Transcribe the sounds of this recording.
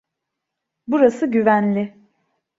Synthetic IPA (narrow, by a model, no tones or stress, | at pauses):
buɾasɯɟyvænlʲɪ